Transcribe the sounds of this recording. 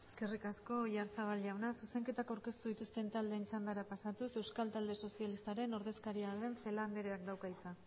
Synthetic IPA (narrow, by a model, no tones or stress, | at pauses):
e̞ske̞rikasko̞ʝaɾsaβalʎawnasuse̞ŋke̞t̪akawɾke̞st̪uðit̪ust̪e̞nt̪ald̪e̞ːnt͡ʃand̪aɾapasat̪use̞wskalt̪ald̪e̞so̞sialist̪aɾe̞no̞ɾðe̞skaɾiaðe̞ɱfe̞land̪eɾeakd̪awkait͡sa